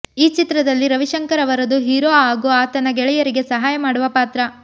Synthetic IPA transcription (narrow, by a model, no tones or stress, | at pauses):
iːt͡ʃit̪ɾɐd̪ɐlːiɾɐʋiʃɐŋkɐɾɐʋɐɾɐd̪uɦiːɾoːaːɡoaːt̪ɐnɐɡɛɭɛjɐɾiɡe̞sɐɦaːjɐmaːɽuʋɐpaːt̪ɾɐ